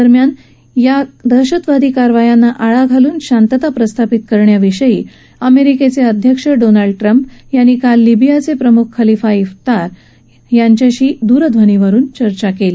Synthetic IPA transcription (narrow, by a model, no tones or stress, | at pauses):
d̪əɾmjan | jad̪əɕət̪ʋad̪ʱiːkaɾʋajanːaʔaɭaɡʱaluːnɕant̪ət̪apɾəst̪ʰapit̪kəɾɳjaʋiʂəjiː | əmeɾiket͡seəd̪ʱjəkʂəɖonaɭɖʈɾəmpjanːiːkalːibijat͡sepɾəmukʰːəlifaift̪aɾ | jaɲt͡ɕjaɕiːd̪uːɾəd̪ʱʋəniʋəɾuːnt͡ɕəɾt͡ɕakeli